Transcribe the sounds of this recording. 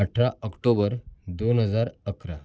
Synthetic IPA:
əʈʰɾaəkʈobəɾd̪onɦəd͡zaɾəkɾa

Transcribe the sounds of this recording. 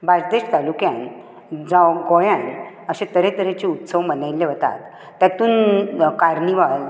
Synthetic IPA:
bad͡zd̪eɕʈt̪alukjan | d͡zawɡɔjãn | əɕẽt̪əɾẽt̪əɾet͡ɕiut̪səʋmənajlːeʋət̪a̰t̪ː | jat̪uːnkaɾniʋal

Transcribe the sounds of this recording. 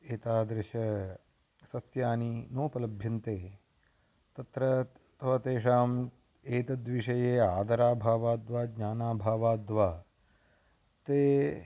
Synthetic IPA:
eːt̪aːd̪ɾɪʃɐ | sɐsjaːninoːpɐlɐbʱjɐnt̪eː | t̪ɐt̪ɾɐ | t̪ɐʋɐt̪eːʂaːm | eːt̪ɐd̪ʋiʂɐjeːaːd̪ɐɾaːbʱaːʋaːd̪ʋaːɡɲaːnaːbʱaːʋaːd̪ʋaː | t̪eː

